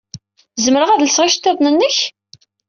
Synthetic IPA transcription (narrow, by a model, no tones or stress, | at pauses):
zməɾəʁæðləsʁiʃt̪ːæðˤnənːəç